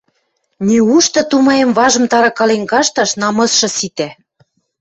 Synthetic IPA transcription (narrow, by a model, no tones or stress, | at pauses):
nʲiuʃt̪ɤ̆t̪umɑjemβɑʒɤ̆mt̪ɑɾɑkɑlenɡɑʃt̪ɑʃnɑmɤ̆sʃɤ̆sit̪æ